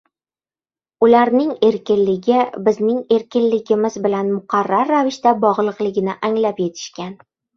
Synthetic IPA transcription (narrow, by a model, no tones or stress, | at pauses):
ʊlaɾnɪŋe̞ɾkʲɪnlɪɡʲɪbɪznɪŋe̞ɾkʲɪnlɪɡʲɪmɪzbɪlanmʊqʰɑɾːaɾːavɪʃt̪abɒʁlˠɨqlˠɪɡʲɪnɪʔaŋlapje̞t̪ʰɪ̥ʃkʲan